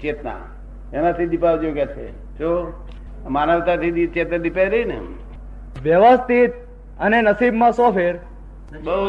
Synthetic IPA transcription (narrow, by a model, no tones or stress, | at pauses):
t͡ʃet̪na̰ | enat̪ʰid̪ipaʋd͡ʒoɡjat͡ʃʰḛ | t͡ʃʰo | manəʋt̪at̪ʰid̪it͡ʃet̪nad̪ipajɾəɦinḛ | ʋjəʋəst̪it̪̚ | ənenəsibmãsɔfʰeɾ | bə